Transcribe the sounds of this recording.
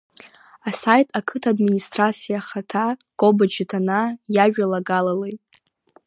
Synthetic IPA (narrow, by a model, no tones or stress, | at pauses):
asajtʰʼakʰɨtʰadministrat͡sʰijaχatʰaɡ̥ʼobad͡ʒɪtʰanajaʒᶣalaɡalalejtʼ